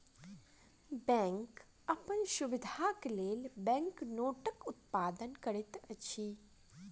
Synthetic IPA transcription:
bɛ̃ːŋk | ɐpənʃʊʋɪd̪ʱakeleːlbɛ̃ːŋknoːʈəkʊt̪paːd̪ənkəɾɪt̪ɐt͡ʃʰiː

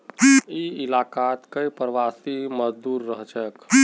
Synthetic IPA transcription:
iɪlaːkat̪kəipɾəʋaːsiməd͡ʒd̪uːɾːəɦt͡ʃək

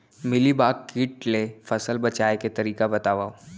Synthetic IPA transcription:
mɪlibaːkkiːʈlefɐsəlbɐt͡ʃaːeket̪ɐɾiːkabɐt̪aːʋaːo

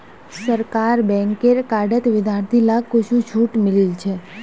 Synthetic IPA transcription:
səɾkaɾbɛ̃ŋkeɾkaɖət̪ʋɪd̪ʱjaɾt̪ʰilaɡkot͡ʃʰũt͡ʃʰuʈmɪlilt͡ʃʰe

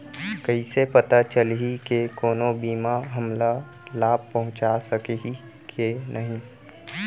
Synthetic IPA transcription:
kɐisepət̪at͡ʃəlɦikekoːnobiːmaɦəmla | laːb̚pɐɦʊ̃t͡ʃasəkei | kʰenʔɐɦĩ

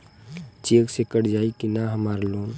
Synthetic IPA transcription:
t͡ʃeːksekəɽd͡ʒaːikinaɦəmaːɾloːn

